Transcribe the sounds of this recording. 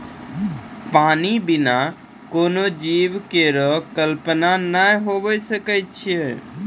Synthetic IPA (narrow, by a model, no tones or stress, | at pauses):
paːnibɪna | koːnod͡ʒiːʋkeɾɔkəlpənanaɦoʋəsəkətt͡ʃʰe